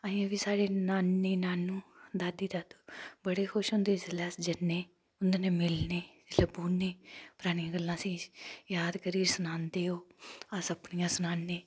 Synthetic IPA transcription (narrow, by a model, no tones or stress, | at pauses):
aːãʋiːsaːɽeːnaːnːeːnaːnːũːd̪aːd̪iːd̪aːd̪oːbəɽeːxʰʊʃʊnd̪eːzəlɛːsd͡ʒənːeː | ʊnd̪eneːmɪlneːləbuːneːpʊɾaːñijãːɡəlːãːsĩːjaːd̪kəɾiːɾsʊnãːnd̪eːoːəsəpnijãːsʊnaːnːeː